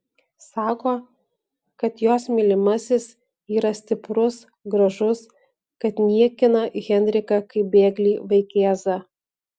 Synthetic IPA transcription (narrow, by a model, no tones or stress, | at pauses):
sɑːkoː | kɐt̪joːsmʲɪlʲɪmɐsʲɪs | iːɾɐsʲt̪ʲɪpɾʊs | ɡɾɐʒʊs | kɐt̪nʲiɛkʲɪnɐɣʲɛnʲd̪ʲɾʲɪkɐkɐɪbʲeːɡlʲiːʋɐɪkʲeːzɐ